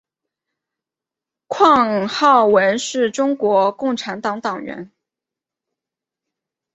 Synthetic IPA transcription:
kʰwɑ˥˧ŋxɑ˥˩ʊwə˧˥nʂɻ̩˥˩ʈ͡ʂʊ˥ŋkwɔ˧˥kʊ˥˩ŋʈ͡ʂʰa˧˥nt̪ɑ˧˥ŋt̪ɑ˨˩ŋɥɛ̰˧˥n

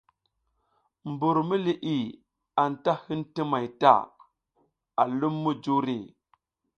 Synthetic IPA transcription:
mbu˨ɾmi˦li˨ʔi˨ | a˨nta˦hi˦nti˦ma˨jta̰˦˨ | a˨lu˦mːu˦d͡ʒu˦ɾe˨

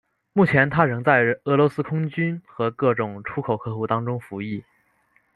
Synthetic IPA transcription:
mu˥˩t͡ɕʰjɛ˧˥nt̪ʰa˥ɻɤ˧˥ŋt͡sa˥˩ɪɤ˧˥lwɔ˧˥sɹ̩˥kʰʊ˥ŋt͡ɕy˥nxɤ˧˥kɤ˥˩ʈ͡ʂʊ˨˩ŋʈ͡ʂʰu˥kʰo˨˩ʊkʰɤ˥˧xu˥˩t̪ɑ˥ŋʈ͡ʂʊ˥ŋfu˧˥i˥˩

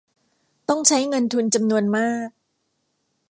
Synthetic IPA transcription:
t̪ɔ˥˩ŋt͡ɕʰa˦˥jŋɤ˧nt̪ʰu˧nt͡ɕa˧mnu˧ənmaː˥˩k̚

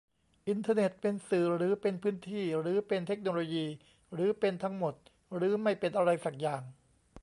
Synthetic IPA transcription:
ʔi˧nt̪ʰaː˧ne˨˩t̪̚pe˧nsɯː˨˩ɾɯː˩˦pe˧npʰɯː˦˥nt̪ʰiː˥˩ɾɯː˩˦pe˧nt̪ʰe˦˥k̚noː˧loː˧jiː˧ | ɾɯː˩˦pe˧nt̪ʰa˦˥ŋmo˨˩t̪̚ | ɾɯː˩˦˥ma˥˩jpe˧nʔa˧ɾa˧jsa˨˩k̚jaː˨˩ŋ

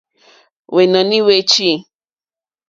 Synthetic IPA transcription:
we˨nã˨nĩ˦we˧˦t͡ʃi˦

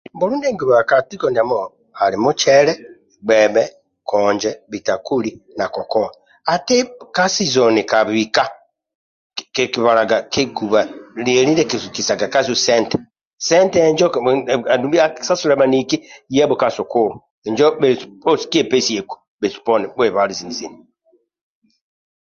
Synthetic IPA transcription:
mbo˦ɾuː˦nde˦ŋɡu˨βa˨a˨ka˨ti˦kɔ˨ni˨a˨mo | ha˨limu˦t͡ʃɛɾɛ˦ | ɡ͡bɛbɛ˦ | kɔːɲd͡ʒɛβi˨ta˨ku˦lina˨kɔ˨kɔ˦a | a˨te˦ka˦sizɔ˨ni˨ka˨βi˨ka˦ | ke˨ki˨βa˨ɾa˨ɡakʰe˦ɡu˨βa˨le˨li˦ɾɛ˦ki˨su˨ki˨sa˨ɡa˨ka˦zu˦sɛ˦ntɛ̥˨ | sɛ˦ntɛ˦ɲd͡ʒɔ˦a˨du˨mbi˦a˦ksa˦su˦ɾɛ˨˦ma˨ni˨ki˦jɛ˦bo˨ka˨su˨ku˦˨lɔ˨ | ɛ˨ɲd͡ʒɔ˦be˨o˦si̥ki˦e˦pe˦si˨e˨ku̥˨ | be˨su̥˨pɔ˦nɛ˨be˨βa˨˦ɾi˨zi˨ni˨zi˨ni

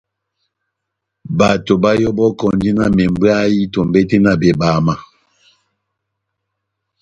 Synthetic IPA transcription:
ba˨to˨ba˦jɔ˦bɔ˦kɔ˨ndi˦na˦me˨m˦bi˦a˦ji˦to˨m˨be˦te˦na˦˨be˨ba˨ma˨

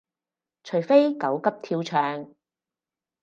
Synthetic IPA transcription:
t͡ʃʰɵ˨˩jfe˥jkɐ˨˥wkɐ˥p̚t̪ʰiː˧wt͡ʃʰœː˨˧ŋ

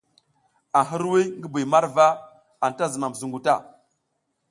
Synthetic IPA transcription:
a˨ɦə˦ɾwi˦ŋɡə˦bi˨ma˦ɾva˦ | a˨n˨ta˦zə˨ma˨m˨zu˨ŋɡu˨ta˦˨

